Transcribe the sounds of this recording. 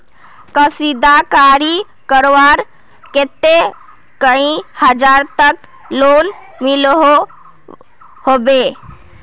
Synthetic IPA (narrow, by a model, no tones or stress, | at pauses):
kəsid̪akaɾi | kəɾʋaɾ | ket̪e | kəĩhəd͡ʒaɾt̪ək | lon | milɦo | hobe